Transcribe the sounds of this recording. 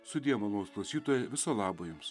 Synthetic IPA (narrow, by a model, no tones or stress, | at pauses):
sʊd̪ʲiɛmɐlˠoːsklˠɐʊsʲiːt̪oːjɛʋʲɪsoːlˠɑːbojʊms